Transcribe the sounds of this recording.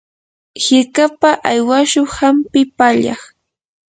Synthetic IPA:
hɪɾkapaʔajwaʃʊŋhampɪpaʎɑ̰χ

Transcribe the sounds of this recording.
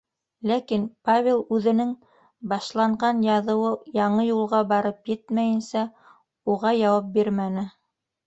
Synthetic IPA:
lækinpavʲelˠʉðɘ̆nɘŋ | bɑʃlˠɑɴʁɑnjɑðɤ̆wɤjɑɴɤjulˠʁɑbɑɾɤpjɘt̪mæjɘ̆nsæ | uʁɑjɑwɑp̚biɾmænɘ

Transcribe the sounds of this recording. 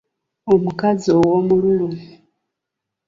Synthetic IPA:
omukazowomuluːnvi

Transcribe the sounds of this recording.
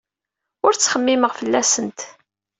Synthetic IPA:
ʊɾt͡sːχəmːiməʁfəlːæsənt̪

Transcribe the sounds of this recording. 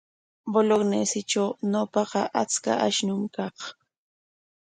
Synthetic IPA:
boloɡnesɪʈ͡ʂawnopɑqɑʔat͡ska̰ʔaʃnʊŋkɑq

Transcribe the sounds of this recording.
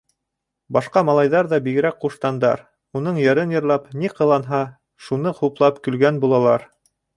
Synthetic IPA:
bɑʃqɑmɑlˠɑjðɑɾðɑbiɡɘ̆ɾæk̚quʃt̪ɑnd̪ɑ̰ɾ | unɤɴjɘɾɘnjɤ̆ɾlˠɑpniqɤ̆lˠɑnɦɑ | ʃunɤχuplˠɑpkɵ̆lɡænbulˠɑlˠɑɾ

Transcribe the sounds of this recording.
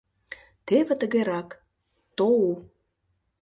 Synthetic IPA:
t̪eβĕt̪ə̆ɣeɾɑk | t̪ou

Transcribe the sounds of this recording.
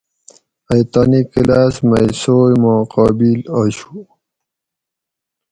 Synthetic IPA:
ajt̪aːnikilasmajsojmoqɑːbilaːɕu̥

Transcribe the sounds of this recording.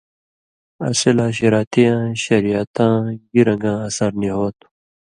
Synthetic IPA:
ɐ̰silãːɕiɾaːt̪ʰijãːɕɐɾijat̪ãːɡiɾɐ̃ŋɡãːɐsɐɾniɦoːt̪u̥

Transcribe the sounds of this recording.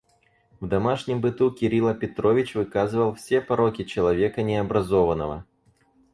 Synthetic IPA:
vd̪ɐmaʂnʲɪmbɨt̪ukʲɪɾʲilˠɐpʲɪt̪ɾovʲɪt͡ɕvɨkazɨvəlˠfsʲepɐɾokʲɪt͡ɕɪlˠɐvʲekənʲɪɐbɾɐzɔvənəvə̰

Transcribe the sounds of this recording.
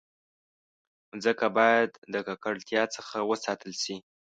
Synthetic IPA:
zəkabɑjad̪ːəkakaɽt̪jɑt͡səxawəsɑt̪əlʃi

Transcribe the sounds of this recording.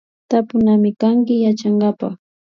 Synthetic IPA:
t̪apʊnamɪkaŋkɪjat͡ʃaŋɡapa̰χ

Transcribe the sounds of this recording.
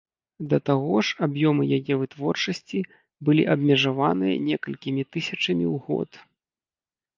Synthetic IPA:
d̪ɐt̪aɣɔʂabjɔmɨjajɛvɨt̪vɔrt͡ʂɐsʲt͡sʲi | bɨlʲiʔɐbmʲɛʐavanɨjɐ̰nʲɛkɐlʲkʲimʲit̪ɨsʲɐt͡ʂɐmʲḭwɣɔ̰t̪

